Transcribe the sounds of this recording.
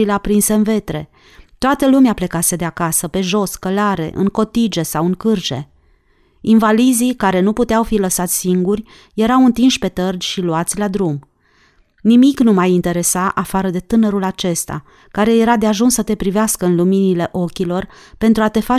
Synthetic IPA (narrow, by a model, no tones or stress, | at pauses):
ileapɾinseɨnve̞t̪ɾe̞ | t̪oat̪əlumeaple̞kase̞d̪eakasəpe̞ʒo̞skəlaɾe̞̰ʔɨ̰ŋko̞t̪id͡ʒe̞sawɨŋkɨrd͡ʒe̞̰ | invalizikaɾe̞nuput̪eawfiləsat̪sʲsiŋɡurʲ | je̞ɾawɨnt̪inʃʲpe̞t̪ərd͡ʒʲʃiluat̪sʲlad̪ɾum | nimiknumajint̪e̞ɾe̞saʔafaɾəd̪e̞t̪ɨnəɾulat͡ʃe̞st̪a̰ | kaɾe̞je̞ɾad̪eaʒunsːət̪e̞pɾiveaskəɨnluminile̞ʔo̞kʲilo̞rpe̞nt̪ɾuat̪e̞fa